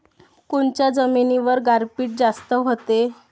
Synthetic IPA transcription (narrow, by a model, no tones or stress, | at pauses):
kuɳt͡ɕjad͡zəminiʋəɾɡaɾpiːʈ̚d͡zast̪əɦot̪e